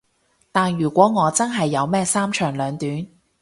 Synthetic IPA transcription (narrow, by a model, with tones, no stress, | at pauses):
t̪aː˨njyː˨˩kʷɔː˨˥ŋɔː˨˧t͡sɐ˥nɦɐ˨jːɐ˨˧wmɛː˥saː˥mt͡ʃʰœː˨˩ŋlœː˨˧ŋt̪yː˨˥n